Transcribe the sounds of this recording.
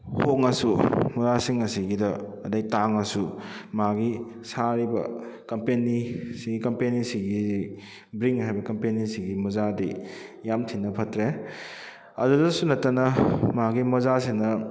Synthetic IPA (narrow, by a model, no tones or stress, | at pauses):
hoŋɐsumɔzasiŋɐsiɡidɐːdɐjtaŋɐsumaɡi | saɾibɐ̰kɐmpenisiɡikɐmpenisiɡi | bɾiŋɦajbɐkɐmpenisiɡimɔzadijamtʰinɐpʰɐtɾe | ɐ̰dudɐsunɐtːanɐmaɡimɔzasiŋnɐ